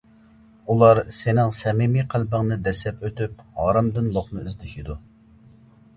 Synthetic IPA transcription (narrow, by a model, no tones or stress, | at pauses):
ulˠɑɾsenɪŋsɛmimiqʰælbəŋnɨd̪ɛsɛpøt̪yp̚hɑːɾɨmd̪ɨnlˠoχnɨyzd̪ɪʃid̪u